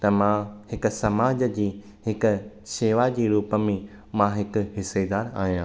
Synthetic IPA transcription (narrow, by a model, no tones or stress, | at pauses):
t̪ɐmãhɪkʊ̆sɐmaːd͡ʑd͡ʑiː | ɦɪkʊ̆ | ʃeːʋad͡ʑiːɾuːpəmẽ | mãɦɪkʊ̆ɦɪsed̪aːɾa̰ːɦijãː